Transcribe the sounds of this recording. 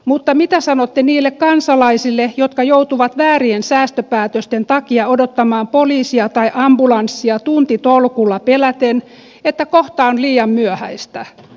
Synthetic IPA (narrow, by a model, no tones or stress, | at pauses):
mut̪ːɑmit̪æsɑnot̪ːeniːlːekkɑnsɑlɑisilːejot̪kɑjout̪uʋɑt̪ʋæːriensæːst̪øpæːt̪øst̪ent̪ɑkiɑodot̪ːɑmɑːmpoliːsiɑt̪ɑiʔɑmbulɑnsːiɑt̪unt̪it̪olkulːɑpelæt̪en | et̪ːækoht̪ɑonliːjɑmmyøhæ̰ist̪æ